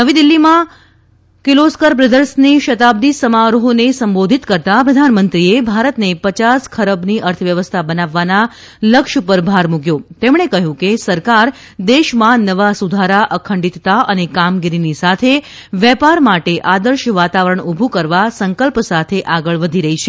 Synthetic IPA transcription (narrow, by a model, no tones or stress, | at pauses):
ɦəʋid̪ilːimã | kɪloskəɾpɾəd̪əɾsniʃət̪ab̚d̪isəmaɾoɦonesəmbod̪ʱit̪kəɾt̪apɾəd̪ʱanmənt̪ɾiebʱaɾət̪nepət͡ʃaskʰəɾəbniʔəɾt̪ʰəʋjəʋəst̪ʰabənaʋːana | ləkʃupəɾbʱaɾmuɡjot̪emɳ̃ekəɦjũkesəɾkaɾ | d̪eʃmãnəʋasud̪ʱaɾaʔəkʰəɳɖit̪t̪aʔənekamɡiɾinisat̪ʰe | ʋjɛpaɾmaʈeʔad̪əɾʃʋat̪aʋəɾəɳubʱũkəɾʋasəŋkəlpsat̪ʰeʔaɡəɭʋəd̪ʱiɾəɦit͡ʃʰe